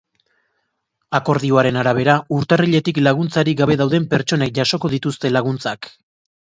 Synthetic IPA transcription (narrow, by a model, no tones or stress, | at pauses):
ako̞ɾðio̞aɾe̞naɾaβ̞e̞ɾauɾt̪ariʎe̞t̪iklaɣ̞unt͡saɾiɡaβe̞ðawðe̞mpe̞ɾt͡ʃo̞ne̞k̚ʝaso̞ko̞ð̞it̪ust̪e̞laɣ̞unt͡sak